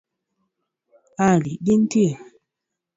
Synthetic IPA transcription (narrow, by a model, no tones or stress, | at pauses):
alibintie